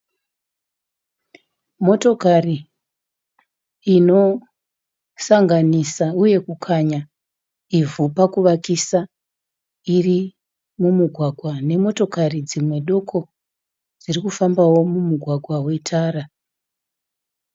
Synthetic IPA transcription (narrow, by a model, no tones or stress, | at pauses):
mo̞to̞kari | ino̞ | saŋɡanisauje̞kukʰaɲa | ivupakuʋakisa | iri | mumuɡʱwaɡʱwane̞mo̞to̞karid͡zimwe̞ɗo̞kʰo̞ | d͡zirikufambawo̞mumuɡʱwaɡʱwawe̞tʰaːɾa